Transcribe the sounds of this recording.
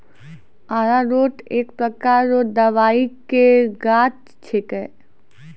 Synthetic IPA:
aːɾaɾoːʈeːk̚pɾəkaːɾoːd̪ɐʋaːikeɡaːt͡ʃ | t͡ʃʰekə

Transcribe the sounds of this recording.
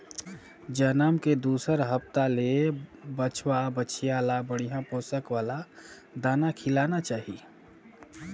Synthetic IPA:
d͡ʒənaːmked̪uːsəɾɦəpt̪alebət͡ʃʰwabət͡ʃʰijaːlabəɽijãpoːsəkwaːla | d̪aːnakʰɪlaːnat͡ʃaːɦi

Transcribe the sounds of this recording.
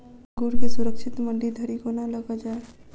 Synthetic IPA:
ɡuɾkesuɾəkt͡ʃʰit̪məɳɖid̪ʱəɾikonaləɡəd͡ʒae

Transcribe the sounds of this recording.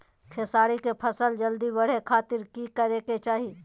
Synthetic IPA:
kʰesaːɽikepʰɐsəld͡ʒəld̪ibɐɽ̤ekʰaːt̪ɪɾkikəɾeːket͡ʃaːɦi

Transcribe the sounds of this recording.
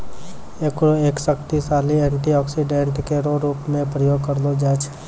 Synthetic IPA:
ekɾoeːksəkt̪isaːliɛ̃ːɳʈiɔːksiɖẽɳʈkeɾoɾuːpmẽpɾəjoːɡ̚kəɾlod͡ʒaːt͡ʃʰ

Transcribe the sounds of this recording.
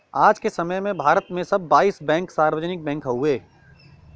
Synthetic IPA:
aːd͡ʒkesɐməjmẽbʱaːɾət̪mẽsɐbːaːiːsbɛ̃ːŋksaːɾʋəd͡ʒnɪk̚bɛ̃ːŋkɦɦueː

